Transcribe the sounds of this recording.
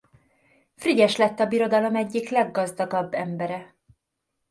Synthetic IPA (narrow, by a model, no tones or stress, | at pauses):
friɟɛʃlɛt̪ːɒbiɾo̞d̪ɒlo̞mɛɟːiklɛɡːɒzd̪ɒɡɒbːɛmbɛɾɛ